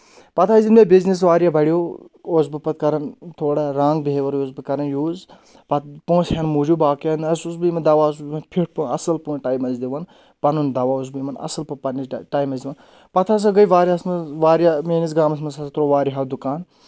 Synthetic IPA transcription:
pɐt̪ʰaːzilmʲebiznis̬ʋaːɾjaːbɐɽijoː | oːs̬bɨpɐt̪̚kɐɾɐnt̪ʰoːɽaɾãːŋɡbʱeːʋɐɾjoːzbɨkɐɾɐnjuːz | pɐt̪põːsɦenmuːd͡ʒubaːkɐnɐsusbɨjmɐd̪ɐʋaːus̬bmɐnpʰiʈ̚punɐ̰sɐlpũːnʈaːjmɐnzd̪iʋɐn | pɐnund̪ɐʋaːus̬bɨjmɐnɐ̰sɐlpɐpɐniʈaːjmɐnzd̪iʋɐn | pɐt̪ʰaːs̬ɐɡɐjʋaːɾʲjasmɐʋaːɾjameːnis̬ɡaːmɐs̬mɐsɐsɐt̪ɾoːʋaːɾiɦad̪ukaːn

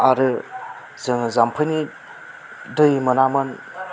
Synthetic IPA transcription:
aɾɯ | zɯŋzampʰɯjni | dɯjmɐnamɐn

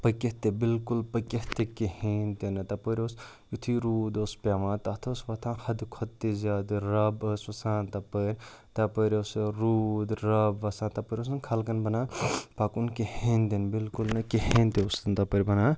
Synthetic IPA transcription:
pɐkeht̪ebilkulpɐkeht̪ekeheːnt̪enɐt̪ɐpəɾʲoːs | jut̪ʰiɾuːd̪oːspʲaːmãːt̪ɐt̪ʰoːsʋɐt̪ʰãːhɐd̪kʰot̪ːizaːd̪ɾɐbəsʋɐsãːnt̪ɐpəɾʲt̪ɐpəɾʲosɾuːd̪ɾɐbʋɐsãːnt̪ɐpəɾʲos̬ɐnkʰɐlkɐnbɐnaːpakunkehẽnt̪enbilkulnɐkehẽːnt̪eost̪ɐnt̪ɐpəɾʲbɐnaː

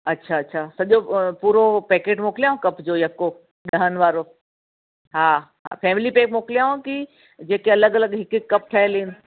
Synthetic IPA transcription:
ɐtːʃʰaɐtːʃʰaːsɐʄopuːɾopɛːkeːʈmoːklijaõkɐpd͡ʑojɐkːo | ɗɐɦənʋaːɾo | ɦaɦa̰pʰɛːmɪlipeːk̚moːkljaːõki | d͡ʑeːkeɐləɡɐləɡɦɪkɪkːɐp̚ʈʰaɦeliːn

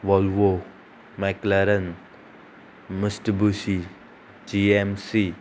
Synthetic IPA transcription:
ʋɔlwo | maklaɾən | misʈbusi | d͡ʒiemsi

